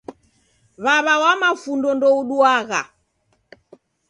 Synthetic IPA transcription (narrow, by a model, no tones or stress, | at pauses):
βaβawamafundɔndɔuɗuaɣa̰